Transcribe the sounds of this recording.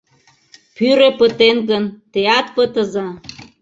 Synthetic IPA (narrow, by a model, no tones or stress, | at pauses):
pyɾepət̪enɣənt̪eɑt̪̚pət̪əzɑ